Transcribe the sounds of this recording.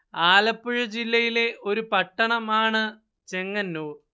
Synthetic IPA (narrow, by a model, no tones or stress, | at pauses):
aːlɐpːuɻɐd͡ʑilːɐjile̞ʔo̞ɾupɐʈːɐɳɐmaːɳɨ | t͡ɕe̞ŋːɐnːoː